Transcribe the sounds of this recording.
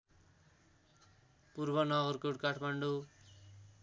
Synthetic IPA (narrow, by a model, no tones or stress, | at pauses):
purbʌnʌɣʌrkuʈkaʈʰmaɳɖu